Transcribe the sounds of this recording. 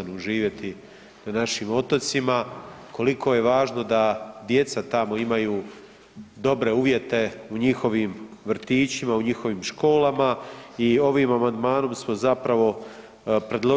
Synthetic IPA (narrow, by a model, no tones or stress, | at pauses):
anuuʒiːʋjet̪i | nanaʃimo̞t̪o̞t̪simako̞likʰo̞je̞ʋaːʒno̞d̪ad̪je̞t̪sat̪amo̞imajuː | d̪o̞bɾe̞uːʋje̞t̪e̞uɲixo̞ʋiːmʋrɾ̩t̪iːt͡ʃimauɲixo̞ʋiːmʃko̞ːlamaio̞ʋiːmamand̪maːno̞msmo̞zapɾaʋo̞ | pɾe̞d̪lˠo̞